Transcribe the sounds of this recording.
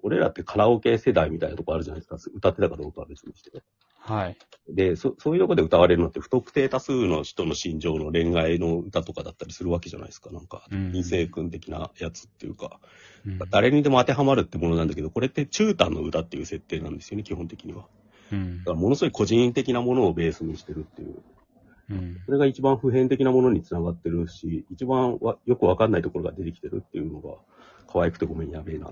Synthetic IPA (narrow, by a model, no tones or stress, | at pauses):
o̞ɾe̞ɾa̰t̪ːe̞kʰaɾaoke̞ːse̞d̪aimʲit̪ainat̪okoaɾɯ̟ʑanaiesɨ̥kasɯ̟t̪at̪ːe̞t̪akad̪o̞ːkaβad̪esimaɕi̥t̪ee | hai | d̪e̞soso̞ːjiɯ̟t̪o̞kod̪e̞ɯ̟t̪aβaɾe̞ɾɯ̟no̞t̪ːeɸɯ̟̥t̪o̞kɯ̟̥t̪e̞ːt̪asɨːno̞çi̥t̪o̞no̞ɕĩɲ̟d͡ʑo̞ːno̞ɾẽ̞ŋɡaino̞ɯ̟t̪at̪okad̪at̪ːaɾʲisɨɾɯ̟βake̞ʑa̰na̰i̥sɨ̥kanãŋkaĩɰ̃se̞ːkɯ̟̃nt̪e̞kʲina̰jat͡sɨ̥t̪ːe̞jɯ̟ka̰ | naŋkad̪aɾe̞ɲ̟id̪e̞mo̞at̪e̞ɦamaɾɯ̟t̪ːe̞mo̞no̞nãnd̪ake̞d̪o̞ko̞ɾe̞t̪ːe̞t͡ɕɨːt̪ãnːo̞̰ɯ̟t̪at̪ːe̞jɯ̟ːse̞t̪ːe̞ːnã̰nd̪e̞sɨjo̞nekʲihõ̞nt̪e̞kʲiɲ̟iβa | d̪akaɾamo̞no̞sɨɡoiko̞ʑĩnt̪e̞kʲinamo̞no̞ːbe̞ːsɨɲ̟iɕi̥t̪e̞ɾɯ̟t̪ːe̞jɯ̰ | so̞ɾe̞ɡait͡ɕibãɰ̃ɸɯ̟ɦẽ̞nt̪e̞kʲinamo̞no̞ɲ̟it͡sɨnaɡat̪ːe̞ɾɯ̟ɕiːt͡ɕibãɰ̃βajo̞kɯ̟βakanːait̪o̞ko̞ɾo̞ɡa̰d̪e̞t̪e̞kʲi̥t̪e̞ɾɯ̟̰t̪ːe̞jɯ̟no̞ɡa̰ | kʰaβaikɯ̟t̪e̞ɡo̞mẽ̞ɰ̃jabe̞na̰